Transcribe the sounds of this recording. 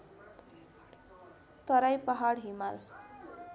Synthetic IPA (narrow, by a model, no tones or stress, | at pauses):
t̪ʌɾajpaɦaɽɦimal